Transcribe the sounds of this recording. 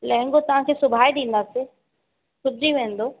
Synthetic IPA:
lɐɦɪ̃ŋɡot̪ɐʋ̤ãkʰeːsʊbʱaːeɗĩːn̆d̪aːse | sʊd͡ʑiʋẽːn̆d̪oː

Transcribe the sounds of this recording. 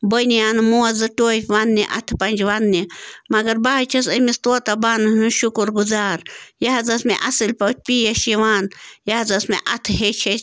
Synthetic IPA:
bonijaːnɨmuːɐzɨʈoːfʋanːiʔɐ̰t̪ʰpɐnʲd͡ʒʋanːimɐɡɐɾbaːt͡ʃʰɐsɐmist̪oːt̪ɐbaːnɨnɨʃukuɾɡuzaːɾjaɦɐzɐsmḛʔɐsɨlʲpɐt͡ʃ̚ʰpijɐʃiʋaːnjaɐzɐsmḛʔɐt̪ʰɦet͡ʃʰɐ

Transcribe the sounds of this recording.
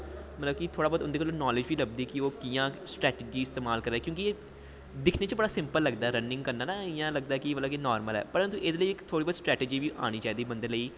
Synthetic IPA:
mət̪ləb̚kit̪ʰoːɽaːbɔːd̪ʊnd̪eːkaloːnɔːlɪd͡ʒbiːləɡ̚d̪iːkɪoːkijãːsʈɾɛːʈɪd͡ʒiːɪst̪eːmaːlkəɾeːkjõːkie | d̪ɪkʰneːt͡ʃəbəɽaːsɪ̃mpəlːəɡd̪aːɛɾənːɪ̃ŋɡkəɾnaːnaːɪjãːləɡ̚d̪aɛkɪʋəlːkinɔːɾməlɛ̰ːpəɾənt̪uʔeːd̪eləiɪkt̪ʰoːɽibɔːd̪sʈɾɛːʈed͡ʒiːbiːʔa̰ːɽ̃iːt͡ʃaːiːd̪iːbənd̪eləiː

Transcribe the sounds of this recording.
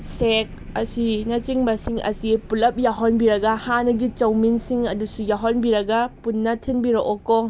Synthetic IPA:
sek | ɐsinɐt͡ʃiŋbɐsiŋɐ̰sipulɐp̚jaɦonbiɾɐɡɐhanɐɡit͡ʃɐwminsiŋɐdusujaɦonbiɾɐɡɐpunːɐtʰinbiɾoʔoko

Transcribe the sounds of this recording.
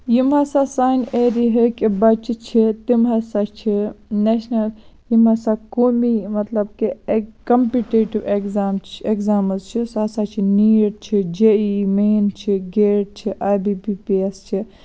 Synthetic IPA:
jimɦasasaːneːɾiɦikibɐt͡ʃt͡ʃʰit̪imɦɐsat͡ʃʰineʃnɐljimasakoːmimɐt̪lɐbkikɐmpiʈeːʈiʋekzaːmt͡ʃekzaːmɨzt͡ʃʰisaːsaːt͡ʃʰiniːʈt͡ʃʰid͡ʒeːimeːnt͡ʃʰiɡeːʈ̚t͡ʃʰiʔaːbipiːpiest͡ʃʰi

